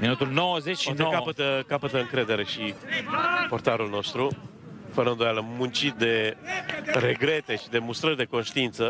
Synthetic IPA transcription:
minut̪ulnowəzet͡ʃit̪ekapət̪əkapət̪əɨŋkɾe̞d̪e̞ɾe̞ʃi | po̞rt̪aɾulno̞st̪ɾu | fəɾənd̪ojaləmunt͡ʃit̪̚d̪e̞ | ɾe̞ɡɾe̞t̪e̞ʃid̪e̞must̪ɾərʲd̪e̞ko̞nʃt̪iint̪sə

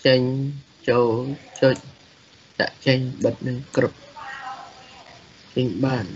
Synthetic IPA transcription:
t͡ɕəɲ | t͡ɕoːlt͡ɕoc̚ | t͡ɕa̰ʔt͡ɕəɲɓət̪̚nɨŋkrɨp̚ | t͡ɕəɲɓaːn

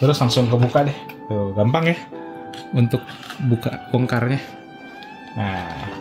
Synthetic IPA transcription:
t̪əɾʊslaŋsʊŋkəbukadɛhəɡampaŋjah | unt̪ʊk̚buka̰pəŋkarɲa | a

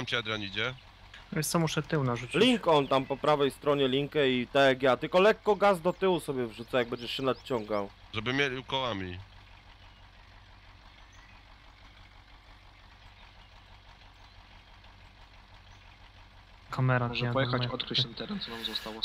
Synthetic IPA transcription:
amt͡ɕɛad̪ɾaɲid͡ʑɛ | vʲɛ̃st̪ɔmuʂɛt̪ɘwnaʐut͡ɕlʲiŋkɔnt̪ampɔpɾavɛjst̪ɾɔɲɛlʲiŋkɛit̪ɛɡʲjat̪ɘlkɔlɛkːɔɡazd̪ɔt̪ɘwusɔbʲjɛvʐut̪sajaɡ̚bɛɲd͡ʑɛʂɕɛnat̪t͡ɕɔŋɡawʐɛbɘmʲjelʲiukɔwamʲi | kʰamɛɾaʐɛpɔjɛxaɔt̪kɾɛɕɛmt̪ɛɾɛnsɔnamzɔst̪awɔ

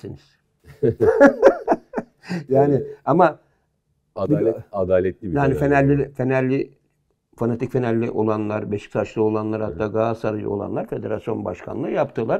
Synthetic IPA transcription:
siniz̥ | jaːnɪama | biad̪aːlʲɛt̪̚lʲibianifenælʲːife̞nælʲːɪ | fanat̪ʰicfenælʲːiʔo̞lˠanlˠaɾbe̞ʃi̥k̚t̪ʰat͡ʃlˠɯo̞lˠanlˠaɾhat̪ːaːɡaːsaɾɯj̰o̞̰lˠa̰nlˠaɾfe̞d̪eɾasijo̞nba̰ʃkʰa̰nˠɯjapt̪ʰɯlˠaɾ

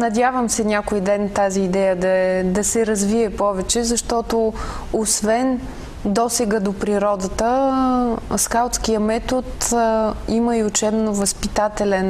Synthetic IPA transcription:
nɐd̪ʲavəmsɛnʲakoid̪ɛnt̪aziːd̪ɛjəd̪ɐɛd̪ɐsɛɾɐzviɛpɔvɛt͡ʃɛzɐʃt̪ɔt̪o | osvɛn | d̪ɔsɛɡəd̪opɾiɾɔd̪ət̪ə | skalˠt̪skijəmɛt̪ot̪ | iməiʊt͡ʃɛbnovɐspit̪at̪ɛlɛn

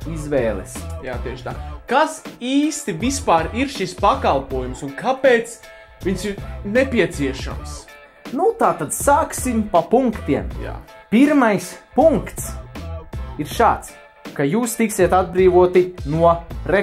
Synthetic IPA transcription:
izʋɛːlˠɛsja̰ːt̪iɛʃt̪a̰ːkasiːst̪ivispaːɾiɾʃispakalˠpuɔjumsunkʰapeːt̪s | viɲsiɾnepʲiɛt̪siɛʃa̰ms | nut̪aːt̪ad̪saːksimpapuŋkt̪iɛmja̰ːpiɾmajspuŋkkt̪s | iɾʃaːt̪s | kajuːst̪iksiɛt̪ad̪̚bɾiːʋuɔt̪inuɔɾe

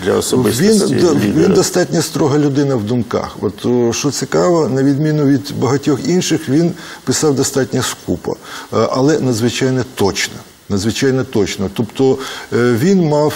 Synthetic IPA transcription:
d̪lʲɐ̰ɔsɔɪʋʲinʋʲind̪ɐst̪ɑtʲnʲɐst̪ɾɔɦɐlʲʊd̪ɪnɐwd̪ʊmkɑ̰xɔt̪ʃt͡ʃɔt͡s̪ʲɪkɑʋɐnɐʋʲid̪mʲinʊʋʲid̪bɐɦɐtʲɔxinʃɪxʋʲinpɪsɑwd̪ɐst̪ɑtʲnʲɐskupɐ̰ʔɐlˠɛnɐd̪zʋɪt͡ʃɑjnɛt̪ɔt͡ʃnɐ | nɐd̪zʋɪt͡ʃɑjnɛt̪ɔt͡ʃnɐt̪ɔpt̪ɔʋʲinmɑw

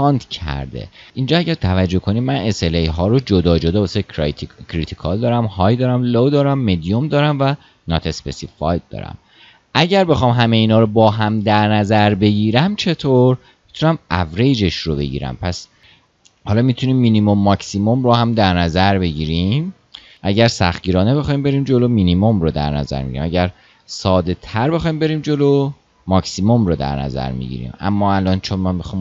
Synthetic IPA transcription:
ɒːnt̪cʰæ̰ɾd̪ḛʔiːnd͡ʒɒːæɟæɾt̪ʰævæd͡ʒːohkʰo̞nimæne̞selejɦɒːɾod͡ʒod̪ɒːd͡ʒo̞d̪ɒːbɒsekʰɾit̪ʰikʰɒld̪ɒːɾæmhɒːjd̪ɒːɾæmlod̪ɒːɾæmːed̪ijomd̪ɒːɾæmvæ | nɒt̪ʰe̞spesifɒ̰jd̚d̪̥ɒ̰ːɾæ̰m | ʔæɟæɾbe̞xɒːmɦæme̞iːnɒːɾobɒːɦæmd̪æɾnæzæɾbe̞ɟiːɾæmt͡ʃʰe̞t̪ʰoɾ | mit̪ʰunæmʔæ̰fɾejd͡ʒe̞ʃɾobe̞̰ɟḭːɾæ̰mpʰæs | hɒːlɒːmit̪ʰuniːmːiːnimomːɒksimo̞mɾohæmd̪æɾnæzæɾbe̞ɟiːɾim | ʔæɟæɾsæ̰xt̪ɟiːɾɒːne̞be̞xɒːjiːmbe̞ɾiːmd͡ʒo̞lomiːnimo̞mɾod̪æ̰ɾnæ̰zæ̰ɾmḛɟ̰iɾḭmæɟæɾ | sɒːd̪e̞t̪ʰæɾbe̞xɒːjiːmbe̞ɾiːmd͡ʒo̞lo | mɒcsimo̞mɾod̪æ̰ɾnæ̰zæ̰ɾmḭɟḭɾḭːmæ̰mːɒːælɒːnt͡ʃʰonmænmixɒːm

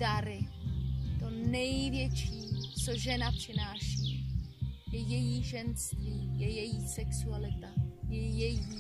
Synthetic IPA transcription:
daɾɪ | t̪o̞nɛjvjɛt͡ʃiːt͡so̞ʒɛnapr̥ɪnaːʃiː | jɛjɛjiːʒɛnst̪viːjɛjɛjiːsɛksualɪt̪ajɛjɛji

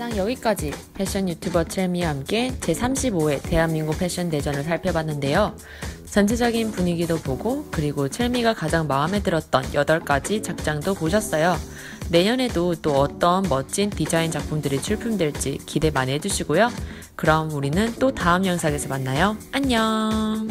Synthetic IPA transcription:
aŋjʌɡik͈ad͡ʑipʰe̞ɕ͈ʌnjutʰjubʌt͡ɕʰeɭmiɦamk͈e̞t͡ɕe̞sʰamɕʰiboe̞te̞ɦanmiŋɡupʰe̞ɕ͈ʌnde̞d͡ʑʌnɯɭsʰaɭpʰjʌbanːɯnde̞jo | t͡ɕʰʌnt͡ɕʰed͡ʑʌɡinpuɲiɡidopoɡokɯɾiɡot͡ɕʰeɭmiɡakad͡ʑaŋmaɯme̞dɯɾʌt̚t͈ʌnjʔʌdʌɭk͈ad͡ʑit͡ɕak̚t͡ɕ͈aŋdopoɕʰʌs͈ʌjo | ne̞ɲʌnedot͈oʌt͈ʌnmʌt͡ɕ͈intid͡ʑaint͡ɕak̚pʰumdɯɾit͡ɕʰuɭpʰumdwe̞ɭt͡ɕ͈ḭkide̞manɦe̞d͡ʑuɕʰiɡojo | kɯɾʌmuɾinɯnt͈otaɯmjʌŋsʰaɡe̞sʰʌmanːajoaɲʌ

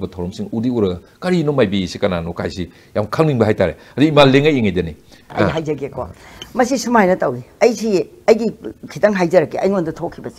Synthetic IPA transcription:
bɐtʰɐwɾɐmsiŋudiuɾɐ | kɐɾinomajbiisikɐnanokʰa̰jsi | jamkʰaŋniŋbɐɦajtaɾḛ | aduimalːeŋɐjiŋajdɐni | ɐ̰jɦajzɐɡeko̰mɐsisumajnɐtɐwiɐjsʰi | ɐjɡikʰitɐŋɦajd͡ʒɐɾɐkiɐ̰jŋondutʰokʰːibɐsi̥

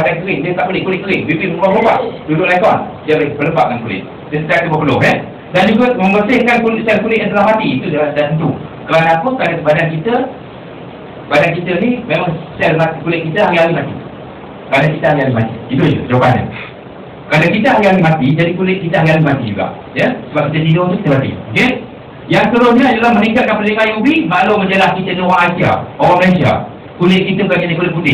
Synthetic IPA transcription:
adankəlɪŋdiət̪aʔbulɪʔ̚kulɪʔkəlɪʔbipɪməməlɔoba̰ʔdudʊʔlaikɔndəbəpələbaʔ̚ŋankulɪ̰t̪̚ | dəsət̪at̪ubəpəlʊɦɛ | dand͡ʒuɡaməmbərsɪhkankulʔsɛlkulɪʔʔənt̪əlahmat̪iːt̪udadat̪ənt̪ukəɾanakukɾanakəbadankit̪ə | əbadankit̪ənimemaŋsɛlmat̪ikulɪʔ̪̚kit̪əɦaɾiawimat̪ḭ | kəɾadakit̪əɦaŋiamimat̪ḭt̪idoʔd͡ʒəəd͡ʒokanə̰ | kəɾadakit̪əɦaŋiawimat̪id͡ʒadikulɪʔ̚kit̪əɦaŋiawimat̪id͡ʒuɡa̰ʔ | jəsəbap̚kit̪ədinot̪ukit̪əmat̪ḭmukɪn | jaŋsət̪əɾʊsɲəjulahməniŋkat̪̚kanpəlɪŋajubimaʔloməɲd͡ʒəlahkit̪ənoɣaŋasia̰oaməlasia̰ | kulɪʔ̚kit̪əkakinikulɪt̪ʔ̚budɪʔ

